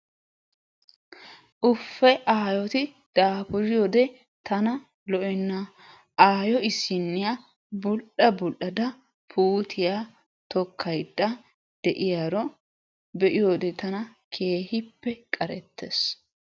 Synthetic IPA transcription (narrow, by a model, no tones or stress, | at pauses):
ʔʊfːɛʔaːjɔt̪ɪ | d̪̥aːpʊɾɪjɔːd̪ɛ | t̪ɐnɐ | lɔʔɛnːɐ | aːjɔɪsɪnːɪja | bʊlᶑɗɐbʊlʔɐd̪ɐ | pʰuːt̪ʰɪja | t̪ɔkʰːɐjd̪̥ːɐ | d̪̥ɛʔɪjaɾɔ | bɛʔɪjoːd̪ɛt̪ɐnɐkʰe̞ːhɪpːɛkʼɐɾɛ̰t̪ʰːḛs